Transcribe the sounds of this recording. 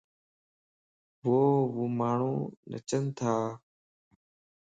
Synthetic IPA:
ʋoːʋuːmaːɳ̤uːnə̰t͡ʃənt̪ʰaː

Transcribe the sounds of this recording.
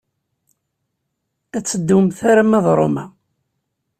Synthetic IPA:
æt͡sːəd̪ːumθaɾamæðˤɾˤo̰mæ

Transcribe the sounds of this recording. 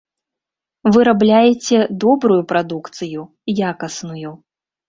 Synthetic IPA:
vɨɾablʲajɛt͡sʲɛd̪ɔbɾujupɾad̪ukt̪sɨju | jakɐsnuju

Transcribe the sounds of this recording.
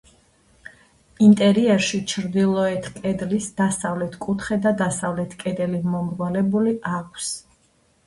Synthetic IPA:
int̪ʼɛɾiɛɾʃit͡ʃʰɾd̪ilˠɔɛt̪ʰkʼɛd̪lisd̪̥asavlɛt̪ʰkʼut̪ʰχɛd̪ad̪asavlɛt̪ʰkʼɛd̪ɛlimɔmɾɡɔlɛbuliʔakʷʰs

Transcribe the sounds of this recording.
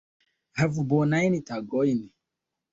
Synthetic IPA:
hɛvubɔnainitaɡɔini

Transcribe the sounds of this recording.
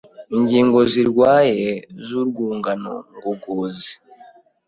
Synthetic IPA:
iɲɟiːŋɡo̞ziɾɡwaːjezuːɾɡuːŋɡano̰ŋɡoɡoːzi

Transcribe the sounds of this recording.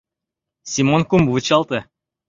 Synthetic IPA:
sʲimonkumbut͡ɕɑlˠt̪ɤ

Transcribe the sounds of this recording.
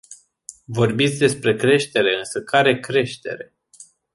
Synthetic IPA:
vo̞rbit̪sʲd̪e̞spɾe̞kɾe̞ʃt̪e̞ɾe̞ɨnsəkaɾe̞kɾe̞ʃt̪e̞̰ɾe̞

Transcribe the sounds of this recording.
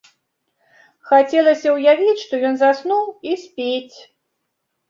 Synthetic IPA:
xat͡sʲɛlˠɐsʲɐwjavʲit͡sʲʂt̪ɔjɔnzasnuwisʲpʲet͡sʲ

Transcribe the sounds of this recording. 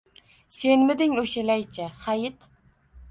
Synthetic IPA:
senmɪd̪ɪŋoʃɪlɛjt͡ʃʰɛhɑjɪt̪

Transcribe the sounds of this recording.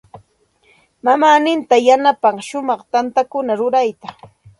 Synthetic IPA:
mamaːnɪnt̪ajanapaɑŋʃʊmɑχt̪ant̪akʊnaɾʊɾajt̪a

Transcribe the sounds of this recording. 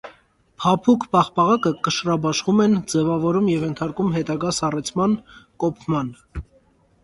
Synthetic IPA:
pʰɑpʰukʰpɑχpɑʁɑkəkəʃrɑbɑʃχumɛnd͡zɛvɑvɔɾumjɛvjɛnt̪ʰɑɾkumɦɛt̪ɑɡɑsɑrɛt͡sʰmɑnkɔpʰmɑn

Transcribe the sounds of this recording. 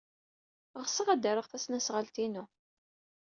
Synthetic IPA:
ʁsəʁæd̪əɾəʁθæsnæsʁəlt̪inu

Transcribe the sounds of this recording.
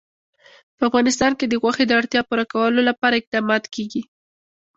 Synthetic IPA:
pəafɣɑnɪs̬t̪ɑnked̪əɣwaxed̪əaɽt̪jɑpuɾakawəlolapɑɾaɪq̚d̪ɑmɑd̪keɡi

